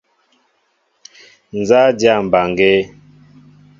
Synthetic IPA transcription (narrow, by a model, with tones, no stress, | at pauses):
n̩˨za˦dja˦˨m̩˨ba˨ŋɡe˦